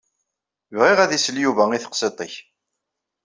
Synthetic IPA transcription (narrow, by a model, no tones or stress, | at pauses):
vʁiʁæðisəljuvæiθə̥qsˤet̪ˤɪç